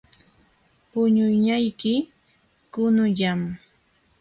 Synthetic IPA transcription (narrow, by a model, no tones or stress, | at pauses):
pʊɲʊjɲajkɪ | kʊnʊʎam